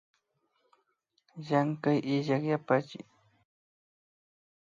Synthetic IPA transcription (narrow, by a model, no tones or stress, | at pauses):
jaŋkajɪʎakjapat͡ʃɪ̰j